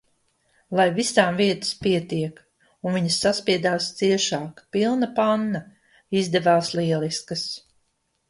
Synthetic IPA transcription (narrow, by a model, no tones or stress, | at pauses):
lˠajvisaːmviɛt̪ə̥spiɛt̪iɛk | unviɲsːaspiɛd̪aːst̪siɛʃaːkpilˠnapanːɐ | izd̪ɛvaːsliɛliskəs